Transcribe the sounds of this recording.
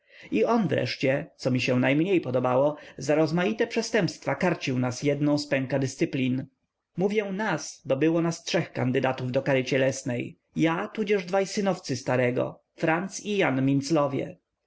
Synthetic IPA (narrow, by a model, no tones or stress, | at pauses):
iɔnvɾɛ̰ʂt͡ɕɛt̪sɔmʲiɕɛ̃najmɲejpɔd̪ɔbawɔzaɾɔzmajit̪ɛpʂɛst̪ɛmpst̪fakaɾt͡ɕiwnasjɛd̪nɔ̃w̃spɛ̃ŋkad̪ɘst̪sɘplʲin | muvʲjɛ̃w̃nasbɔbɘwɔnastʂɛxka̰nd̪ɘd̪at̪uvd̪ɔkaɾɘt͡ɕɛlɛsnɛj | jat̪ud͡ʑɛʐd̪vajsɘnɔft̪sɘst̪aɾɛɡɔ̰ | fɾant̪sijanmʲint̪slɔvʲjɛ̰